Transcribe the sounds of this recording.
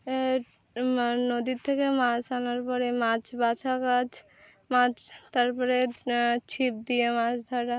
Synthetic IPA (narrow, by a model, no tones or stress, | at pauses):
e | nod̪it̪ʰekemat͡ʃanaɾpɔɾemat͡ʃbat͡ʃʰakat͡ʃʰ | mat͡ʃt̪aɾpɔɾet͡ʃʰip̚d̪ijemat͡ʃd̪ʱaɾa